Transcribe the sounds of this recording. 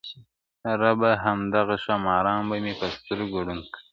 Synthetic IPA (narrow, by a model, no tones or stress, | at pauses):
ɾabaɦamd̪aɣaʃɑmɑɾɑːnbamepəst̪əɾɡuɽunki